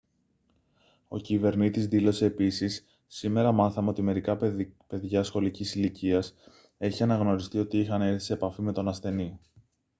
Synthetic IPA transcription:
o̞cive̞ɾnit̪izðilo̞se̞ːpisisː | ime̞ɾɐmɐθɐmeo̞t̪ime̞ɾikɐpe̞ðʝɐsxo̞licisiliciɐs | e̞çiɐnɐɣno̞ɾist̪io̞t̪iixɐne̞θi̥siepɐfime̞t̪o̞nɐsθe̞ni

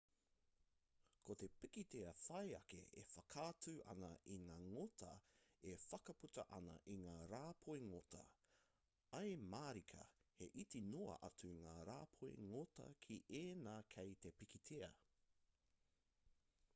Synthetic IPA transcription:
kʰot̪e̞pikit̪eɐfɐjɐkḛʔḛfɐkʰaːtʰʉːʔɐ̰nɐʔiŋaːŋotʰɐefɐkɐputɐ̰ʔɐnɐ̰ʔiŋaːɾaːpʰoeŋotʰɐ̰ | ɐjmaːɾikʰɐ̰heʔitinoɐ̰ʔɐtuŋaːɾaːpʰoḭŋotɐ̰kʰiʔeːnaːkʰejt̪epikit̪ʰeɐ̰

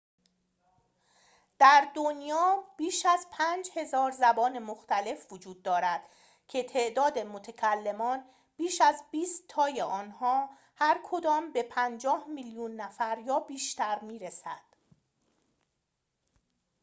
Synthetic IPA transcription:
d̪̥æɾd̪onjɒːb̥iːʃæzpʰæːnd͡ʒhe̞zɒːɾzæbɒːne̞moxt̪æle̞fvod͡ʒuːd̪̚ːɒːɾæd̪̥ | cʰe̞t̪ʰe̞ʔd̪ɒːd̪e̞mot̪ʰecʰælːe̞mɒːn | b̥iːʃæzbiːst̪ʰːɒːjeʔɒːnhɒː | hæɾkʰod̪ɒːmbe̞pʰænd͡ʒɒːhmiljunːæfæɾjɒːbiːʃt̪æɾmiːɾesæd̪̥

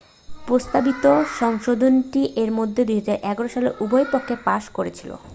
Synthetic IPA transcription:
pɾost̪abit̪oʃɔŋʃod̪ʱonʈiʔeɾmod̪ʱːed̪ujɦad͡ʑaɾʔɛɡaɾoʃaleʔubojpokʰːepaʃkoɾet͡ɕʰilo̰

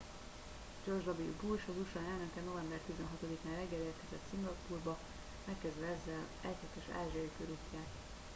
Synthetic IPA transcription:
d͡ʒo̞rʒd̪ɒbilbulʃɒbuʃɒnɛlnøkɛno̞vɛmbɛrt̪izɛnɦɒt̪o̞d̪ikaːnrɛɡːɛleːrt̪kɛzɛt̪siŋɡɒpuːrbɒ | mɛkːɛzd̪vɛɛzːɛl | ɛchɛt̪ɛʃa̰ːʒiɒikøɾucːaːt̪

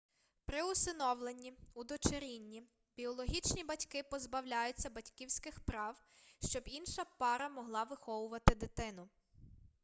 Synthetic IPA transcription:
pɾɪʊsɪnɔwlˠenʲːiud̪ɔt͡ʃeɾʲinʲːi | bʲiɔlˠɔɦʲit͡ʃnʲibɐtʲkɪpɔzbɐwlʲajʊt͡sʲːɐbɐtʲkʲiwsʲkɪxpɾɑw | ʃt͡ʃɔbinʃɐpɑɾɐmɔɦlˠɑʋɪxɔʋʊʋɐt̪ɪd̪ɪt̪ɪnʊ

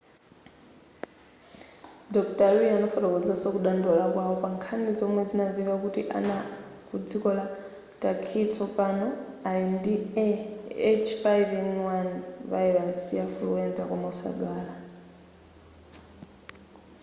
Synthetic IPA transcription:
dɔktʼaɾianɔfatɔkɔnd͡zasɔkuɗandɔlakwawɔpaŋkʰanid͡zɔmwɛd͡zinaviβakutiʔa̰nakud͡zikɔla | tʼakʰitʰɔpʼanɔ | aindi | ɛt͡ʃʰfajvɛnwanvaiɾasjaflṵɛnd͡zakɔmausa̰ɗwaːla

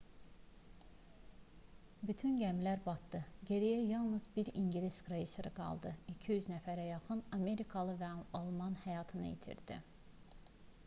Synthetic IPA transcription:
byt̪ʰynɟæmlæɾbɑt̪d̪ɯɟe̞ɾæjæjɑlˠnɯzbiɾiɲɟilʲisɡɾeisɯɾɯɡɑ̰lˠd̪ɯicʰijyznæfæɾæjɑχɯnɑme̞ɾikʰɑlˠɯvæɑlˠmɑnhæjɑːt̪ʰɯnɯ̰jḭt̪ʰḭɾd̪ḭ

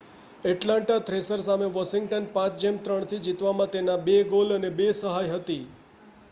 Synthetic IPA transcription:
ɛʈlãɳʈat̪ɾesəɾsameʋəʃɪŋɡʈənpãt͡ʃd͡ʒemt̪ɾəɳt̪ʰid͡ʒit̪ʋamãt̪enabeɡolənebesəɦajɦət̪i

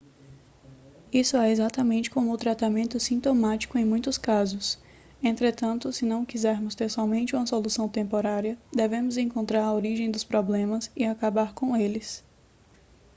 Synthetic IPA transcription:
isʊɛezat̪ɐmẽnt͡ʃɪ̥kõmʊʊt̪ɾat̪amẽnt̪ʊsĩt̪omat͡ʃi̥kʊẽj̃mũj̃t̪ʊskazʊs | ẽnt̪ɾet̪ɐ̃nt̪ʊsɪnɐ̃w̃kizɛɾmʊst̪eɾsɔmẽnt͡ʃɪũmɐsolusɐ̃w̃t̪ẽmpoɾaɾiɐd̪evẽmʊzẽŋkõnt̪ɾaɾɐoɾiʒẽj̃d̪ʊspɾɔblẽmɐsɪakabaɾkõw̃elɪs

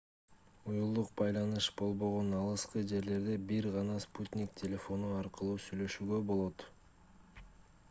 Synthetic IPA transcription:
ujulˠd̪uq̚bɑjlˠɑnɯʃbo̞lˠbo̞ʁo̞nɑlˠɯsqɯd͡ʒe̞ɾle̞ɾd̪e̞biɾʁɑnɑsput̪ʲnʲiktʲʰelʲe̞fo̞nuɑɾqɯlˠuːsyjlø̞ʃyːɡø̞bo̞lˠo̞t̪

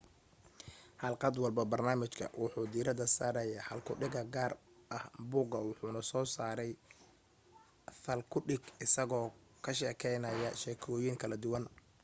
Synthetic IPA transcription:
ħɑlqɑd̪wɑlbɐbɐrnaːmɪt͡ʃkʰɐ̰wʔʊħuːd̪iːɾɐd̪ɐsaːɾɛjaħɐlkʰʊɖɪɡɐɡaːr | ʔɐhbʊːɡɐwʊħuːnɐsɔːsaːɾɛj | θɐlkʰʊɖɪɡɪsɐɣɔː | kʰɐʃɛːkʰɛjnɐjɐʃɛːkʰɔːjɪŋkʰɐlɐd̪ʊwɐn

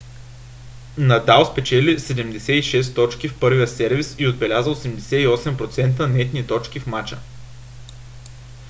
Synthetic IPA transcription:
nɐd̪alˠspɛt͡ʃɛlisɛd̪ɛmd̪ɛsɛiʃɛs̬t̪ɔt͡ʃkʲifpɤɾvijəsɛɾvisiod̪̚bɛlʲazəlˠsɛmd̪ɛsɛiɔsɛmpɾot̪sɛnt̪ənɛt̪nit̪ɔt͡ʃkʲifmat͡ʃə

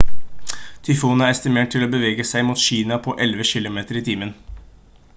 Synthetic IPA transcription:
t̪ʰʏfuːnæɾɛst̪ɪmeːʈʈʰɪloːbəʋeːɡəsæɪmuːt̪ɕiːnɑpʰɔʔɛlʋəɕɪlʊmeːt̪əɾiːt̪ʰiːmən

